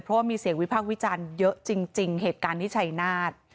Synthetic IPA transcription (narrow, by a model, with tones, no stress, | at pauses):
pʰɾɔ˦˥waː˥˩miː˧si˨˩˦əŋwi˦˥pʰaː˥˩k̚wi˦˥t͡ɕaː˧njɤ˦˥ʔt͡ɕi˧ŋt͡ɕi˧ŋɦeː˨˩t̪̚kaː˧nt̪ʰiː˥˩t͡ɕʰa˦˥jnaː˥˩t̪̚